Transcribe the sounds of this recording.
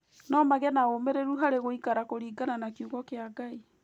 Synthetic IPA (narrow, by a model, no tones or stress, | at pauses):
nɔmaɣɛnaomeɾeɾuɦaɾeɣoikaɾakoɾiːɡananakjuɣɔkeaɡai